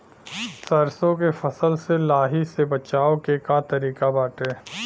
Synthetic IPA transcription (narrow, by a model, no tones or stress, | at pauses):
sɐɾsõkefɐsəlselaːɦisebɐt͡ʃaːokekat̪ɐɾiːkabaːʈeː